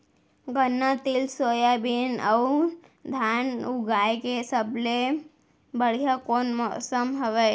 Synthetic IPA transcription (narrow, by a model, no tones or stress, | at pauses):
ɡənːat̪ɪlsoːjabinəwd̪ʱaːnuɡaːjkesəble | bəɽ̤ijakoːnmɔʔsəmɦəʋe